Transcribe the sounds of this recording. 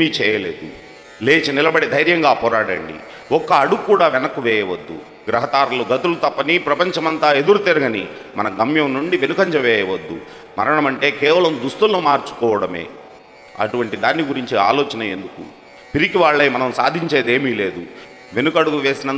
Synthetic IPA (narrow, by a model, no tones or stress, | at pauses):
iːt͡ʃɛːjɐleːd̪ṵ | leːt͡ʃinilɐbɐɽid̪ʱɐjɾjɐŋɡaːpɔːɾaːɽɐ̰ɳɖḭ | ɔkːɐːɽuɡkːuːɽaːʋɛnɐkːuʋɛːjɐʋɐd̪ːṵ | ɡɾɐɦɐd̪aːɾluɡɐt̪ulut̪ɐpːɐnipɾɐpɐɲt͡ʃɐmɐnt̪aːe̞d̪uɾut̪iɾɐɡɐni | mɐnɐɡɐmjɐmnuɳɖiʋe̞nukɐɲt͡ʃɐʋɛːjɐʋɐd̪ːṵ | mɐ̰ɾɐɳɐmɐɳʈe̞ːkɛːʋɐlɐmd̪ust̪ulnumaːɾt͡ʃu̥kɔːʋɐɽɐmḛː | ɐ̰ʈuʋɐɳʈid̪aːnːiɡuɾiɲt͡ʃia̰ːloːt͡ʃɐnɐḛnd̪ukṵ | piɾikiʋaːɭːɐjmɐnɐmsa̰ːd̪ʱiɲt͡ʃe̞ːd̪e̞ːmiːle̞ːd̪u | ʋe̞nukɐɽuɡuʋe̞ːsinɐn